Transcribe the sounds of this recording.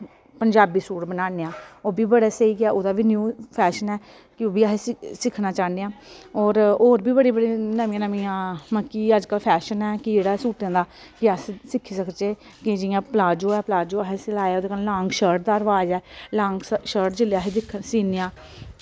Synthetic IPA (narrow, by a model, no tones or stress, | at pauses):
pəɲd͡ʒaːbiːsuːɽbənaːneːãːoːbiːbəɽaːsəiːɡaːʔoːd̪aːʋiːnjuːpʰɛːʃənɛː | kɪoːbiːaɦessɪkʰːnaːt͡ʃaːneːãːoːɾoːɾbiːbəɽiːbəɽeːnəmɪ̃ãːnəmɪjãːməkːiːəd͡ʒkəlpʰɛːʃənɛːkɪd͡ʒeːɽaːsuːʈjãːd̪aː | kɪəssɪkʰːiːsəkt͡ʃeː | kɪd͡ʒɪjãːplaːd͡ʒõːɛːpəlaːd͡ʒõːaɦeselaːeaːoːd̪eːkənlãːŋɡʃəɾʈ̚d̪aːəɾəʋaːd͡ʒɛːlãːŋɡʃəɾʈd͡ʒɪljaːɦeːd̪ɪkʰːəsiːneãː